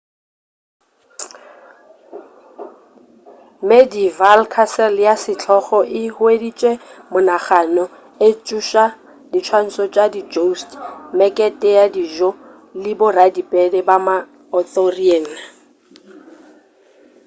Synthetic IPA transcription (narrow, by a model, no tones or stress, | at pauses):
medivalkʰasɛljasɪt͡ɬʰɔχɔʔɪhʊedit͡ʃʼwemʊnaχanɔ | et͡ʃʼuʃa | dit͡ʃʰwan̩sɔt͡ʃʼadid͡ʒostmɛkʼɛtʼɛjadiʒɔ | lɪbʊradipʼɛdɛbama | ɔtɔriɛːn̩a